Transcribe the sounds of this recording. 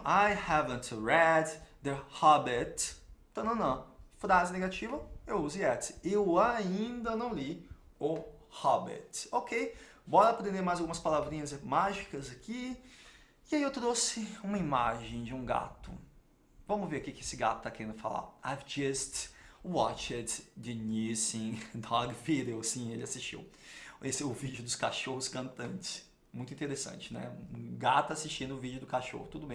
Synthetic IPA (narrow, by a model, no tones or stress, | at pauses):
ajhɛvə̃nt̪ɹɛd̪d̪ɛhɔbɪt̪t̪ɐ̃nɐ̃nɐ̃w̃fɾazɪneɡat͡ʃivɐewuziɛt̪ɪewaĩnd̪ɐnɐ̃w̃li | ʊhɔbɪ̰t̪okʰej | bɔɾɐpɔd̪ẽd̪eɾmajzawɡumɐspalavɾĩɲɐzmaʒikɐzakʰi | ɪaiewt̪ɾosɪũmɐima̰ʒẽj̃d͡ʒɪũɡa̰t̪ʊ̰ | vɐ̃mʊveɾkikɪesɪɡat̪ʊ̥t̪akeɾẽnd̪ʊfa̰la̰avd͡ʒɛst̪wɔt͡ʃɛɾd͡ʒɪnisĩd̪ɔɾɡviɾewsĩelɪasist͡ʃḭw | esɛʊvid͡ʒʊd̪ʊskaʃohʊskɐ̃nt̪ɐ̃nt͡ʃɪ̥s | mũj̃t̪ʊĩt̪eɾesɐ̰̃t͡ʃɪnɛ̰ũũɡat̪ʊasist͡ʃĩnʊʊvid͡ʒʊd̪ʊkaʃo̰hʊt̪ud̪ʊbẽ